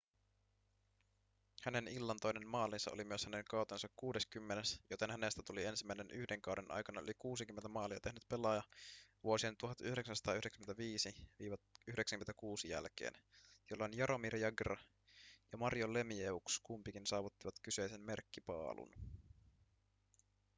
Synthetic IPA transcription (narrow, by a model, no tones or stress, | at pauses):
hæne̞nilːɑnt̪o̞jne̞nmɑːlːˑinsɑʔolimyø̞shæne̞ŋkɑwt̪ensɑkkuːde̞skymːenesjot̪e̞nɦæne̞st̪æt̪ulie̞nsimːæinenʔyhdeŋkɑwde̞nʔɑ̰jkɑnɑølikuːsik̟ymːent̪æmɑːliɑt̪e̞ɦnyt̪pe̞lɑjɑʋuo̞sient̪uɦɑt̪yhyɾeksænsɑt̪ɑːyhyɾeksymnt̪æʋiːsiʋiːʋɑyhdeksæŋk̟ymet̪ækuːsijæ̰lk̟ḛːnjolːɑonjɑɾʔo̞miɾjɑɡrɑ | jɑmɑrjole̞mieukskumpikinsɑːʋut̪ːiʋɑt̪kyse̞jse̞mme̞rkːipɑ̰ːlʔṵn